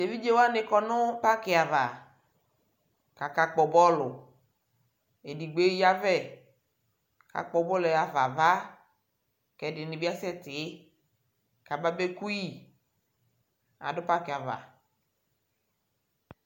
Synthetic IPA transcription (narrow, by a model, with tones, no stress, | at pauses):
de˨vi˦d͡ʒe˦wo˦a˦nɪ̃˨˦kɔ˦nʊ˦pa˦kɪ˨a˨va˨ | ka˨ka˨k͡pɔ˨bɔ˦lʊ˨ | e˨di˨ɡ͡be˦ja˦vɛ˦˨ | ka̰˨k͡pɔ˨bɔ˦le˨a˨va˨va˦ | kɛ˨dɪ˨nɪ˨bi˦a˦sɛ˦t̪ɪ˨˦ | ka˨ba˦be˦ku˦ji˦ | a̰˨dʊ˦pa˦kɪ˨a˨va̰˨